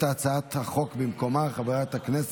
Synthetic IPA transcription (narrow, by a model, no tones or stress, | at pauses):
t̪aːt͡saat̪haχokbɪmkomaχabaʁat̪aknɛs